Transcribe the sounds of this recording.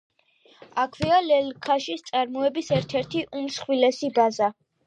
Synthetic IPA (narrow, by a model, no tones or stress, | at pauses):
akʰvialɛlkʰaʃist̪sʼaɾmɔɛbisɛɾt̪ʰɛɾt̪ʰiʔumsχwilɛsibaza